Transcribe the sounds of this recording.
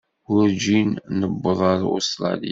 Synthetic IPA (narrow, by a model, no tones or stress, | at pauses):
ʊɾd͡ʒinnəbːəðˤɑɾo̰st̪ɾˤɑ̰lḭ